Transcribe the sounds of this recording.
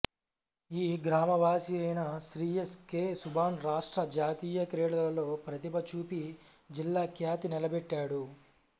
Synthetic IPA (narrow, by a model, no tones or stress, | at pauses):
iːɡɾaːmɐʋaːsiɐjnɐsɾiːeskeːsubʱaːnɾaːʂʈɾɐd͡ʒaːt̪iːjɐkɾɛːɽɐlɐlo̞ːpɾɐt̪ibɐt͡ʃuːpid͡ʒilːaːkjaːt̪inilɐbɛʈːaːɽu